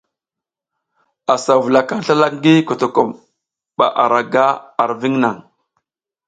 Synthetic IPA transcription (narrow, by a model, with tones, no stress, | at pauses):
a˨sa˨vu˨la˨ka˦ɬa˦la˦kŋ˦ɡi˦ko˨to˨ko˨m | ɓa̰˨ʔa˨ɾa˨ɡa˦a˨ɾvi˦ŋna˨ŋ